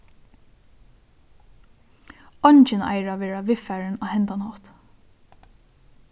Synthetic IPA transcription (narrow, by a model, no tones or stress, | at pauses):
ɔɲt͡ʃɪna̰ɪɹaʋɛːɾɹaʋɪfæːɹɪnahɛnt̪anɔːt̪